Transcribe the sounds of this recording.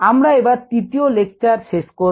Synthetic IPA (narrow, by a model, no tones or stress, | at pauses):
amɾaebaɾt̪ɾit̪iolek̚t͡ʃaɾʃeʃko